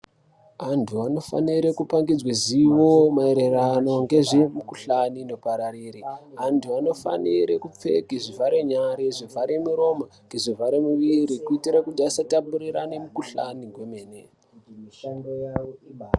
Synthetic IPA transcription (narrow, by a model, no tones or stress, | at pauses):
antʰuano̞fa̰niɾekupaŋɡid͡zweziwo̞mae̞ɾe̞rano̞ŋɡe̞ʐe̞mukuɬanino̞paɾaɾiːɾiantʰuano̞fa̰niɾekup͡fe̞̰kiʐivʱaɾeɲaɾeʐivʱaɾe̞muɾo̞maŋɡe̞ʐivʱaɾemuʋiɾikuitiɾakutiasatapuriɾanemukuɬaniɡʱwemeːne | ŋɡja